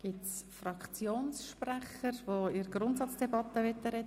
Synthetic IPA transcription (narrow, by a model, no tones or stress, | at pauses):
ɡ̥itsfrɑkʰt͡sjoːnsʃprɛχəɾvoiɾɡɾʊntsɑt͡sd̥ɛbɑt̪ːəʋɛt̪ːəɾɛ